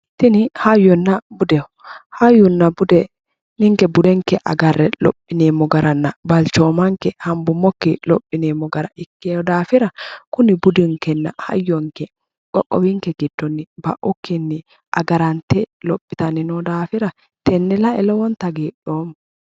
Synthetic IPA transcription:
t̪ɪnɪhajːɔnːɐbʊd̪ɛ | hajːʊnːɐbʊd̪ɛ | nɪŋkɛbʊd̪ɛŋkɛʔɐ̰ɡɐrːɛlɔ̰pʼːɪneːmːɔɡɐɾɐnːɐbɐlt͡ʃoːmɐŋkɛhɐmbʊmːɔkːɪlɔpʼːɪneːmːɔɡɐɾɐɪkːeɔd̪aːfɪɾɐkʊnɪbʊd̪ɪŋkɛnːɐ̰hɐ̰jːɔŋkɛ | kʼɔ̰kʼːɔ̰wɪŋkɛɡɪd̪̥ːɔnːɪbɐ̰ʔʊkːɪnːɪ | ʔɐ̰ɡɐɾɐnt̪ɛlɔpʼːɪt̪ɐnɪnod̪aːfɪɾɐ | t̪ɛnːɛlɐʔɛlɔwɔnt̪ɐɡeːᶑoːm

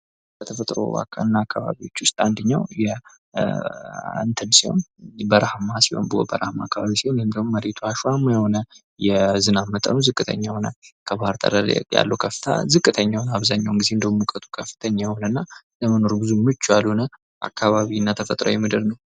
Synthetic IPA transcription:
bət̪ʰəfət̪ʼɾo̰ba̰kʼːa̰ɨnːaːkʰːaβa̰βiwot͡ʃːwʊst̪ʼand̪ɨɲːawjɛ | ɨnt̪ʰɨnsiho̞̰nbəɾahmasiho̰nbɨo̰bəɾahmaakːaβaβisiho̞nhɨnd̪əhumməɾet̪ʰuhaʃamːajɛho̞nə | jɛzɨnamːət̪ʼə̰nzɨkʼːɨt̪ʰə̰ɲːajhonəkʰəβahɨɾt̪ʰʼə̰ɾəɾ̰ja̰lːukʰəfɨ̥t̪ʰa̰zɨkʼːɨt̪ʰəɲːawnaβzaɲːawŋɡize̞ɨnd̪əmukʼət̪ʼu̥kʰəfːɨ̥t̪ʰəɲːajɛhonənːa | ləməno̞ɾbɨzumɨt͡ʃːualhunə | ʔa̰kʰːaβaβinːat̪ʰəfət̪ʼɾo̰jɛmɨd̪ɨɾnəw

